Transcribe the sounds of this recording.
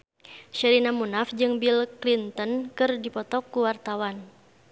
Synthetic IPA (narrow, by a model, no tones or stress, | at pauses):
ʃɛɾinamunafd͡ʒɨŋbilklint̪ənkɨrdipɔt̪ɔkːuwart̪awan